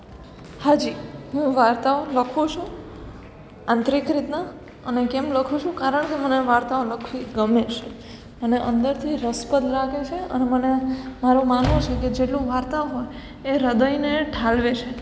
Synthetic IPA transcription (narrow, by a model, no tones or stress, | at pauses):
had͡ʒiɦũʋaɾt̪aoləkʰot͡ʃʰũ | ãnt̪ɾikɾit̪na | ənekemləkʰũt͡ʃʰũkaɾəɳkeməneʋaɾt̪aoləkʰʋiɡəmet͡ʃʰe | məneʔənd̪əɾt̪ʰiɾəspəd̪ɾakʰet͡ʃʰeə̰nemənemaɾũmanõt͡ʃʰeked͡ʒeʈlũʋaɾt̪aoɦoj | eɾəd̪əjneʈʰalʋet͡ʃʰe